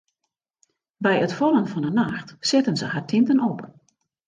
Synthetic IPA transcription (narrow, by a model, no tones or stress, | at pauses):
bɛjətfɔlˠənfɔnənaxtsɪtənzəhartʰɪntənɔp